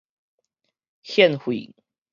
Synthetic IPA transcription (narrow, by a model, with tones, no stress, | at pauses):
xjɛ˥˨nxwḭ˨